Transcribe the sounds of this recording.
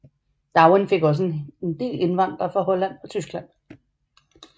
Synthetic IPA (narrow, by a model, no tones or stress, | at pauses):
d̥ɑ̈ʊənfe̝ɡ̥ɒ̽s̬əend̥e̝̰ːle̝nʋɑ̈n̰d̥ʁɐfɒhɒ̽læn̰ɒ̽t͡sʰysɡ̥læn̰